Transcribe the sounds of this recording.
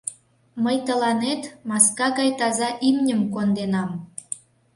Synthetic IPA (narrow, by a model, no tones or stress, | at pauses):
məjt̪əlɑnet̪mɑskɑɣɑjt̪ɑzɑʔimnʲəmkond̪enɑm